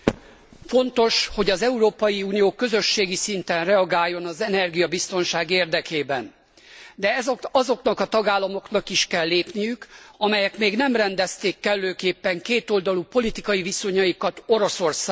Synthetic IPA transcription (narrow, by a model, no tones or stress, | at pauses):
fo̞nt̪o̞ʃho̞ɟɒzɛuɾoːpɒjiuːnijoːkø̞zø̞ʃːeːɡisint̪ɛnrɛɒɡaːjːo̞nɒzɛnɛrɡijɒbist̪o̞nʃaːɡeːrd̪ɛkeːbɛn | d̪ɛɛɒzo̞knɒkɒt̪ɒɡaːlːɒmo̞knɒkiʃkɛlːeːpnijykɒmɛjɛkmeːɡnɛmrɛnd̪ɛst̪eːkːɛlːøːkeːpːɛŋkeːt̪o̞ld̪ɒlupo̞lit̪ikɒjiviso̞ɲɒjikɒt̪o̞ɾo̞so̞rsaː